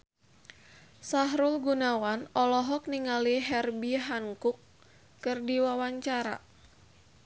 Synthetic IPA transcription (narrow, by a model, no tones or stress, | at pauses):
saɦɾulɡunawanɔlɔɦɔk̚niŋaliɦɛrbiɦaŋkʊkː | ɨrdiwawaɲt͡ʃaɾa̰